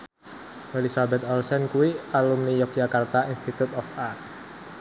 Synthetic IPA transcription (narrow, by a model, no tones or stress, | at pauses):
relisabɛt̪ɔlsɛnkuwialumnijɔk̚d͡ʒakart̪ainst̪it̪ut̪ɔfart̪̚